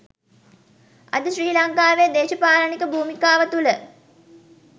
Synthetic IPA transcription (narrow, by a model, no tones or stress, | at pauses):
ɐ̰d̪əʃriːlɐŋkaːʋeːd̪eːʃəpaːlənikəbʱuːmikaːʋət̪ulə